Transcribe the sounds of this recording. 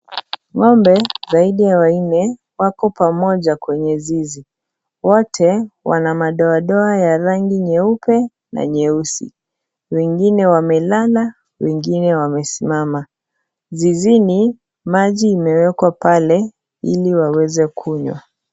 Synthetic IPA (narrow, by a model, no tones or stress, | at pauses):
ŋɔmbɛzaiɗijawainɛ | wakɔpamɔʄakwɛɲɛzizi | wɔtʰɛwa̰namaɗɔaɗɔajaɾaŋɡiɲɛupɛ | na̰ɲɛusḭ | wɛŋɡinɛwamɛlala | wɛŋɡinɛwamɛsimama | zizini | maʄiːmɛwɛkwapalɛ | ḭliwawɛzɛkʰuɲwa̰